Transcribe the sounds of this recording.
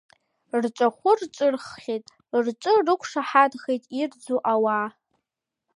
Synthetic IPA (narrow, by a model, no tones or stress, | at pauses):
rʈ͡ʂʷʼaχʷʊrʈ͡ʂʷʼɨrχχʲejtʼ | rʈ͡ʂʷʼɨrɨkʷʰʂaħadχejtʼird͡zuʔawa